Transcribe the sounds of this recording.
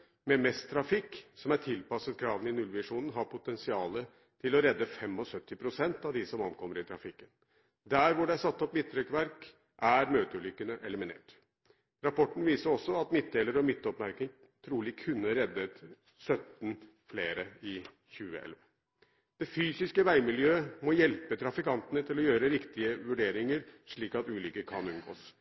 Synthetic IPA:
mɛmɛst̪ʰɾɑfɪkːsɔmæʈʰɪlpɑsət̪kʰɾɑːʋənɪnʉlʋɪʂuːnən̩ɦɑɾpʰʊt̪ɛnsɪɑːlə | t̪ʰɪlɔɾɛd̪ːəfɛmɔsœt̪ːɪpʰɾʊsɛnt̪ɑʋd̪ɪsɔmɑnkʰɔmːəɾɪt̪ʰɾɑfɪkːən | d̪æːɾʋʊɖɛæsɑt̪ːɔpmɪt̪ʰːɾɛkːʋæɾk | ʔæɾmøːt̪əʉlʏkːənəʔɛlɪmɪnḛːʈ | ɾɑpʰɔʈːn̩ʋiːsəɾɔsːɔɑt̪mɪt̪̚d̪eːləɾɔmɪt̪ːɔpmæɾkɪŋ | t̪ʰɾuːlɪkʰʉnːəɾɛd̪ːət̪ | sœt̪n | fleːɾəɪ | çʉːə̰ɛ̰lʋɑ | d̪̥ɛfyːsɪskəʋæɪmɪljøːmɔjɛlpət̪ʰɾɑfɪkɑnt̪ənət̪ʰɪlɔjøːɾəɾɪkt̪ɪəʋʉɖeːɾɪŋəɾʂɭiːkɑt̪ʉːlʏkːəkʰɑnʉnɡo̰ːs

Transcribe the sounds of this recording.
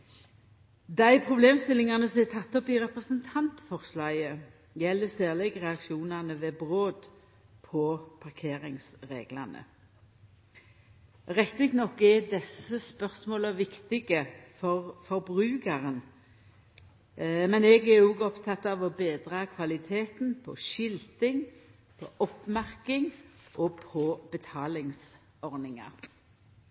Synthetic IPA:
d̪æɪpʰʁʊbleːmst̪ɪlɪŋɑnəsɔmɛt̪ʰɑt̪ːɔpɪʁɛpʁəsənt̪ʰɑnt̪fɔʁslɑːjə | jɛlːəsæːʁlɛɡʁɛɑkʃuːnɑnəʋeːbʁoːd̪ | pʰɔpʰɑʁkʰeːʁɪŋsʁḛːɡlɑ̰nə̰ | ʁɛkt̪ɪkt̪nɔkːɛd̪ɛsəspœʁsmoːləʋɪkt̪ɪɡəfɔʁfɔɾbʁʉːkəʁən | mɛnɛɡɛɾuːɡɔpt̪ʰɑt̪ːɑʋɔbeːd̪ʁɑkʰʋɑlɪt̪ʰeːt̪npʰɔ̰ʃɪlt̪ɪŋ | pʰɔʔɔpmæʁkɪŋʔɔɡpʰɔbət̪ʰɑːlɪŋs | ɔʁnɪŋɑ̰ʁ

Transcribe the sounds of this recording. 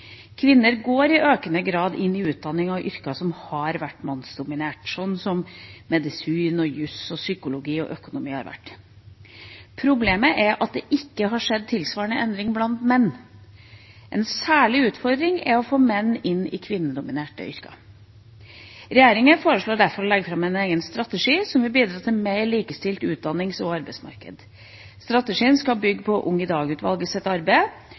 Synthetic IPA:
kʰʋɪnːəɾɡoːɾɪʔøːkənəɡɾɑːd̪ɪnːɪʉːt̪̚d̪ɑnːɪŋɑʔʏɾkɑsɔmhɑɾʋæʈːmɑnsd̪ʊmɪneːʈsɔnːsɔmmɛd̪ɪsiːnɔjʉsɔsʏkʊlʊɡiːɔ̰ʔœkʊnʊmiːhɑ̰ɾʋæ̰ʈː | pʰɾʊbleːməʔɛɾʔɑt̪̚d̪ɛʔɪkːəɦɑʂɛd̪̚t̪ʰɪlsʋɑːɾɳəʔɛnd̪ɾɪŋblɑnt̪mɛnː | ʔɛ̰nsæːɭɪʉːt̪fɔɾd̪ɾɪŋɛɾɔfoːmɛnːɪnɪ̰kʰʋɪnːəd̪ʊmɪneːʈə̰ʏ̰ɾkɑ̰ | ɾɛjeːɾɪŋəfoːɾəʂɭoːɖæɾfɔɾɔlɛɡːəfɾɑmɛɪneːɡənst̪ɾɑt̪əʂiːsɔmʋɪlbiːd̪ɾɑːt̪ʰɪlmeɪliːkəst̪ɪlt̪ʉːt̪̚d̪ɑnːɪŋsɔɑɾbɛɪsmɑ̰ɾkə̰d̪ | st̪ɾɑt̪əʂiːənskɑbʏɡːpʰɔʔʊŋːəd̪ɑːɡʉːt̪ʋɑ̰lɡəsɛt̪ːɑɾbəɪ

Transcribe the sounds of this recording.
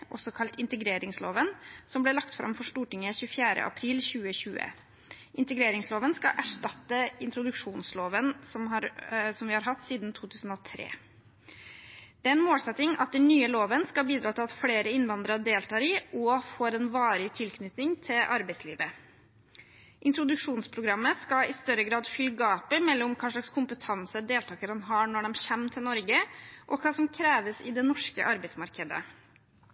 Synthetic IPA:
ʔɔ̰sɔkʰɑlt̪ɪnt̪əɡɾeːɾɪŋslo̰ːʋənsɔmblɛlɑk̚t̪fɾɑ̰mfɔʂʈuːʈɪŋːəçʉːəfjæːɾə̰ʔɑ̰pʰɾiːlçʉːəçʉːə̰ | ʔɪnt̪əɡɾeːɾɪŋsloːʋənskɑʔæʂʈɑt̪ːəɪnt̪ɾʊd̪ʉkʂuːnsloːʋənsɔmhɑɾsɔmʋɪhɑɾɦɑt̪ːsiːd̪nt̪ʰuːt̪ʰʉːsn̩ɔːt̪ʰɾḛː | d̪̥ɛæːɛnmoːlsɛt̪ːɪŋɑt̪̚d̪ɛnnyːəloːʋənskɑbiːd̪ɾɑːt̪ʰɪlɑt̪fɽeːɾəɪnʋɑnd̪ɾəɖ̪eːlt̪ʰɑːɾiɔfoːɾɛnʋɑːɾɪt̪ʰɪlkʰnʏt̪nɪŋt̪ʰɪlʔɑ̰ɾbæɪslḭːʋə | ʔɪnt̪ɾʊd̪ʉkʂuːnspʰɾʊɡɾɑmːəskɑɪst̪œɾəɡɾɑːd̪fʏlɡɑːpəmɛlːɔmkʰɑːʂɭɑkskʰʊmpət̪ʰɑnsəd̪eːlt̪ʰɑːkəɾd̪ɛnɦɑːɳɔɖɛmɕɛmt̪ʰɪlnɔɾɡəʔɔkʰɑːsɔmkʰɾeːʋəsɪ̰d̪ɛnɔʂkə̰ʔɑɾbæɪsmɑɾkəd̪ə̰

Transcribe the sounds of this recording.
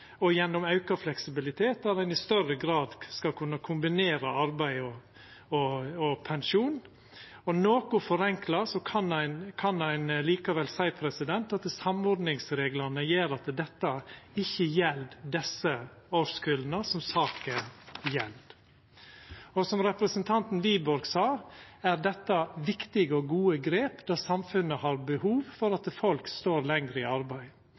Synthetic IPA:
ɔjɛnːɔmɑʉkɑflɛksɪbɪlɪt̪ʰeːt̪æɾæɪnɪst̪œɾəɡɾɑːd̪skɑlkʰʉnːɑkʰʊmbɪneːɾəɑɾbæɪɔ | ɔɔpʰɛnʃuːn | ɔnoːkʊfɔɾɛŋklɑsɔkʰɑnæɪnkʰɑnæɪnliːkɑʋɛlsæɪpʰɾɛsɪd̪ɛnt̪ɑt̪sɑmɔɾd̪nɪŋsɾeːɡlɑnəjeːɾɑt̪d̪ɛt̪ːəɪçːəjɛld̪d̪ɛsə | oːskʉlnəsɔmsɑːkəjɛld̪ | ɔsɔmɾɛpɾəsənt̪ʰɑnt̪n̩ʋiːbɔɾɡsɑː | æɾd̪ɛt̪ːɑʋɪkt̪ɪɡəɔɡuːəɡɾeːpd̪ɑːsɑmfʉnːəhɑɾbəhuːʋfɔɾɑt̪fɔlkst̪oːɾlɛŋɡɾəɪɑɾbæɪ

